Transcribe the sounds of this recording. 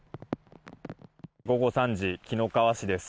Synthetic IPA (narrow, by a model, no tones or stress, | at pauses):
ɡo̞ɡo̞sãɲd͡ʑikʲino̞kaβaɕid̪e̞sɨ̥